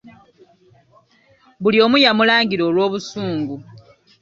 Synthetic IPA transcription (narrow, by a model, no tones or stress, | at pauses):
βulio̞ːmujamulaːŋɡiɾo̞ːlwo̞ːβusuːŋɡu